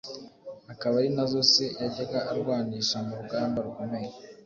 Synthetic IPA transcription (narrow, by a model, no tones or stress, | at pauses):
hakaβaɾinazo̞sejaɟeɡaʔaɾɡwaːniːʃamuɾuɡaːmbaɾuko̞me̞je